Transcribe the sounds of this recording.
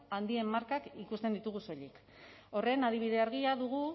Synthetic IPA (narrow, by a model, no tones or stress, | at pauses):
and̪ie̞mːaɾkakikust̪end̪it̪uɣ̞uso̞ʎik | o̞re̞nað̞iβ̞iðe̞aɾɣ̞iaðuɣu